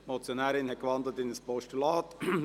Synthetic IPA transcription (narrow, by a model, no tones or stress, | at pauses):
mɔt͡sjonæːɾɪnhɛt̚ɡəʋɑnd̪lətɪnəspɔʃtylɑːt